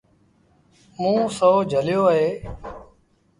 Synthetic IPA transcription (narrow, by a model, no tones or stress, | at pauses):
mũːsoːd͡ʒʱəljoːɦeː